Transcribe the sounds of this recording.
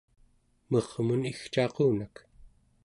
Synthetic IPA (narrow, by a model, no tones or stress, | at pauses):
mʌʁmunixt͡ʃɑquːnak